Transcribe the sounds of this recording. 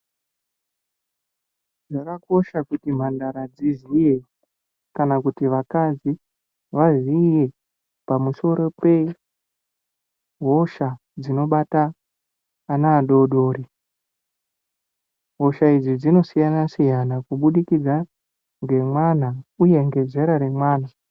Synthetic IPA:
ʐakako̞ʃakutim̤andaɾad͡zizije | kanakutiʋakad͡zi | ʋazije̞ | pamuso̞ɾo̞pe̞ | ɦo̞ʃa | d͡zino̞ɓataː | naːɗo̞ɗo̞ːɾi | ɦo̞ʃaid͡zid͡zino̞sijanasijanakuɓuɗikid͡za | ŋɡe̞mwan̤auje̞ŋɡe̞d͡ze̞ɾaɾe̞mwaːn̤a

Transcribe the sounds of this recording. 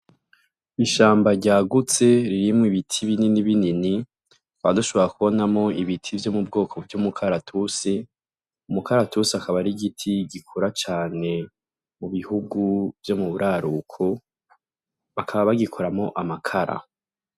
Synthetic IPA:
iʃaːmbaɟaːɡut͡se̞ɾiɾimŋwiβitʰiβininiβinini | waduʃo̞βo̞ɾakuβo̞namo̞iβitʰivjo̞mub̚ɡo̞ːkʰo̞vjumukʰaɾatʰuse | umukaɾatuseakaβaɾiɡitʰiɡikʰoɾat͡ʃaːne̞ | muβihuɡuv̥jo̞muβuɾʔaːɾukʰo | βakʰaβaβaɡikʰoɾamo̞ʔamakʰaɾa̰

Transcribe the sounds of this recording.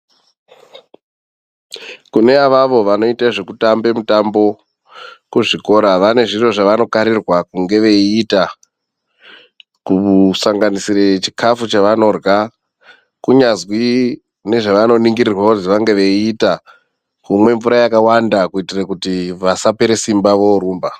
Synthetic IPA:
kune̞aʋaʋo̞ʋano̞itaʐe̞kutambe̞mutambo̞ | kuʐiko̞ɾaʋane̞ʐiro̞ʐaʋano̞kaɾirwakuŋɡe̞ʋe̞ːta | kusaŋɡanisiret͡ʃi̥kʰafut͡ʃaʋano̞rwa | kuɲazwi | ne̞ʐaʋano̞niŋɡirirwauziʋaŋɡe̞ʋe̞ːta | kumwe̞ɱvuɾajakawandakuitirakutiʋasapeɾe̞simbaʋo̞ɾuːmba

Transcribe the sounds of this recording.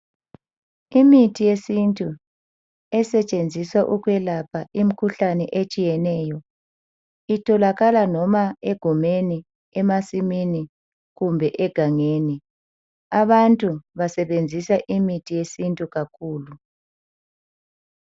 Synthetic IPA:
imitʰijesintʼu | ɛsɛt͡ʃʼend͡zʱiswaʔukwɛlapʰaʔim̩kʰuɬanɛʔet͡ʃʼijɛnɛjɔ | itʰɔlaɣalanɔmaeɡ̥ʱumeni | ɛmasimini | ɣumbʱɛʔɛɡ̥ʱaŋeːni | aβantʼuβasɛβend͡zʱisaʔimitʰijesintʼuɣakʰuːlu

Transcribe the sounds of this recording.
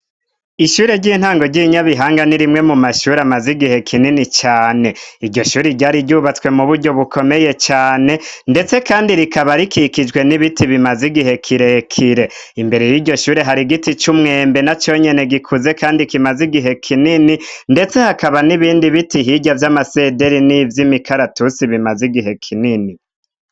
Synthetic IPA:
iʃuːɾe̞ɟiːn̥haːŋɡo̞ɾɟiɲaβiɦaːŋɡaniɾimŋe̞mumaʃuːɾamaziɡihe̞kʰininit͡ʃaːne̞iɾɟo̞ʃuːɾiɟaːɾiɟuːβat͡swe̞muβuɾɟo̞βukʰo̞me̞je̞t͡ʃaːne̞nde̞t͡se̞kaːndiɾikaβaɾikikid͡ʒwe̞niβitiβimaziɡiɦe̞kʰiɾe̞kʰiɾe̞ | imbe̞ɾejiɟo̞ʃuːɾiɦaɾiɡitit͡ʃumŋe̞ːmbe̞nat͡ʃo̞ːɲe̞ne̞ɡikʰuze̞kaːndikimaziɡiɦe̞kʰinininde̞t͡se̞hakaβaniβiːndiβitiɦiɟavjamase̞de̞ɾinivjimikʰaɾatusiβimaziɡiɦe̞kʰinini

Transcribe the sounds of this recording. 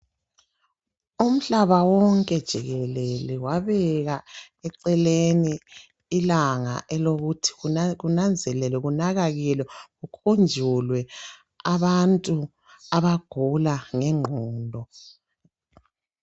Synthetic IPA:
um̩ɬaβawɔŋkʼɛd̥ʒ̥ʱiɣɛlɛlɛwaβɛɣa | ɛǀɛleniː | laŋa̰ʔɛloɣutʰi̥ɣuunand͡zʱɛlɛlɛɣunaɣaɣilɛɣukʰund͡ʒʱulwɛ | aβantʼu | aβaɡ̥ʱulaŋɛŋ͡ǃʱɔːndʱɔ

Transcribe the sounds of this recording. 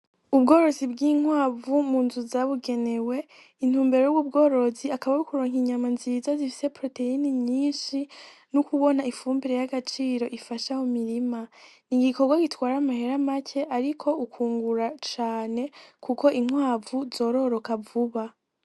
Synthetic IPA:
ubɡo̞ːɾo̞zibɡiːŋwaːvumuːnzuzaβuɡe̞ne̞we̞ | in̥huːmbe̞ɾejuwubɡo̞ːɾo̞ziakaβaukuɾoːŋiɲamanziːzazifi̥se̞pɾo̞te̞iniɲiːnʃinukuβo̞naifuːmbiɾe̞jaɡat͡ʃiːɾo̞ʔifaʃahomiɾimaniɡiko̞ɡwaɡitwaːɾamahe̞ɾamacʰe̞ʔaɾikʰo̞ukʰuːŋɡuɾat͡ʃaːne̞kuko̞ʔiŋwaːvuzo̞ːɾo̞ɾo̞kavuβa

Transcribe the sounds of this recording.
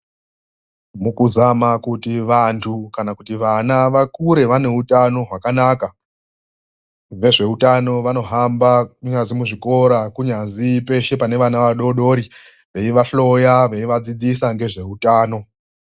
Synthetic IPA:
mukuzamakutiʋantʰukanakutiʋanaʋakuɾe̞ʋane̞utano̞ɦwakanaka | ʋe̞ʐe̞utano̞ʋano̞ɦambakuɲanzimuʐiko̞ɾakuɲazipe̞ʃe̞pane̞ʋanaʋaɗo̞ɗo̞ɾi | ʋe̞iʋaɬo̞jaʋe̞iʋad͡zid͡zisaŋɡe̞ʐe̞utaːno̞

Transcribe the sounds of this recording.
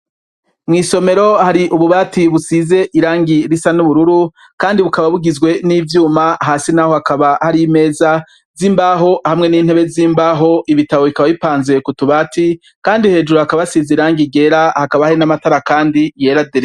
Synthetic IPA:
mŋiːso̞me̞ɾo̞haɾiʔuβuβaːtiβusize̞ʔiɾaːŋɡiɾisanuβuɾuɾu | kaːndiβukaβaβuɡizɡwe̞niːvjuːmaɦaːsinaho̞hakaβahaɾime̞ːza | ziːmbaɦo̞hamŋe̞niːn̥e̞βe̞ziːmbaːɦo̞ʔiβitaβo̞βikaβaβipaːnze̞kutuβaːti | kaːndihe̞ːd͡ʒuɾohakaβasiːzeɾaːŋɡiɡe̞ɾahakaβahainamataɾakaːndije̞ːɾadeɾe

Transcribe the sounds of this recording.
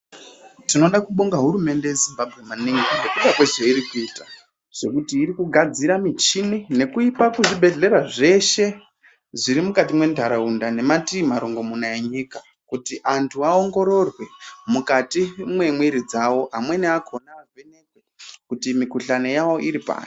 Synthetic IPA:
tino̞ɗakuɓuŋɡaɦuɾume̞nde̞je̞zimbabʱɣe̞maniŋɡeŋekuɗakweʐeiɾikuiːtḁ | ʐ̥e̞kutiːɾikuɡʱad͡ziɾamit͡ʃinine̞kuipakuʐibʱe̞ɮe̞ɾaʐe̞ʃe̞ | ʐiɾimukat̬imwe̞ndʱaɾaundane̞matimaɾoŋɡo̞munaeɲika | kutiʔantʰuao̞ŋɡo̞ɾo̞rwe̞mukatimwe̞mwiɾid͡zawo̞ɦamwe̞neakʰonaːvʱe̞nekwekutimikuɬane̞jawo̞ʔiɾipa̰ːno

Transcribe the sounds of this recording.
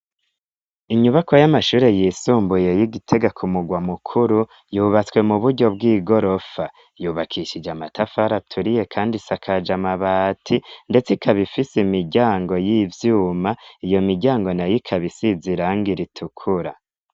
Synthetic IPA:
iɲuβako̞jamaʃuːɾe̞jiːsuːmbuje̞jiɡitʰe̞ɡakʰumuɡwamukʰuɾu | juːβat͡swe̞muβuɾɟo̞bɡiːɡo̞ɾo̞fa | juːβakʰiʃid͡ʒamatʰafaɾatʰuɾije̞kʰaːndisakʰad͡ʒamaβatʰinde̞t͡sikʰaβifisimiɾɟaːŋɡo̞jivjuːmaijo̞miɾɟaːŋɡo̞najikʰaβisiziɾaŋɡiɾitʰukʰuɾa

